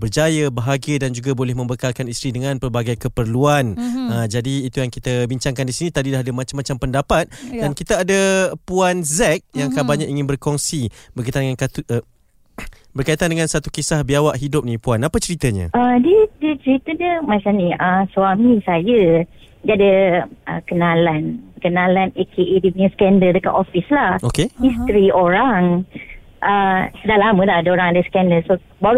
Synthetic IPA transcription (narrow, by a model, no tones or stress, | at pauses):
bərd͡ʒajəbəɦaɡiədand͡ʒuɡabolɛhmə̃mbəkalkanist̪ɾidəŋãnpərbaɡajkəpərluanəd͡ʒadiːt̪ujaŋkit̪abiɲt͡ʃaŋkandisinĩt̪adilaɦadamat͡ʃamːat͡ʃampəndapat̪̚dankit̪aːdapuanzɛk̚jaŋkabalɲaʔiŋɪnbərkɔŋsibərkait̪andəŋankat̪u | bərkait̪andəŋansat̪ukisahbiawaʔɦidʊp̚nĩpuanapat͡ʃəɾit̪əɲə̰ədiədət͡ʃəɾit̪ədəmat͡ʃamniʔəswamisajə | diadəʔə̰kənalankənãlanekʰeʔedipiɲəsə̥kɛndəldəka̰ʔɔfislahokehist̪ɾioɾaŋ | ʔədalamə̃laadaoɾaŋadəsə̥kɛndəlso | baɾu